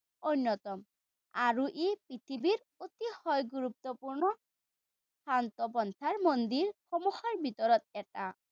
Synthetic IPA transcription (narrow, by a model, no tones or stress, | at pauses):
ojnːɔt̪ɔm | aɹuʔepɹit̪ʰibiɹ | ot̪ihɔjɡuɾup̚t̪ɔpuɹnɔ | pant̪ɔbɔnt̪ʰaɹmond̪iɹxɔmuxaɹbʱit̪ɔɾɔt̪̚ɛta